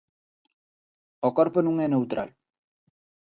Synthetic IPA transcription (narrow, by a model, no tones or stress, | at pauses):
okɔɾponũŋɛnewt̪ɾa̰l